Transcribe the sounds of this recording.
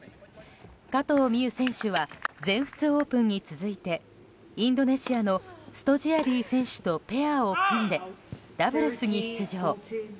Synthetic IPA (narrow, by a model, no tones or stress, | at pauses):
kat̪o̞ːmʲiɯ̟sẽ̞ɰ̃ɕɨβad͡zẽ̞ɰ̃ɸɯ̥t͡sɨo̞ːpɯ̟̃ɲ̟ːit͡sɨzɨit̪e̞ | ĩnd̪o̞ne̞ɕiano̞sɨ̥t̪o̞ʑiaɾʲiːsẽ̞ɰ̃ɕɨ̥t̪o̞pe̞ao̞kʰõnd̪e̞d̪̥abɯ̟ɾesɨɲ̟iɕi̥t͡sɨʑo̞ː